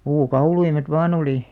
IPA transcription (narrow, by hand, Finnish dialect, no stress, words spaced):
puːkɑuluimet ʋɑːn oli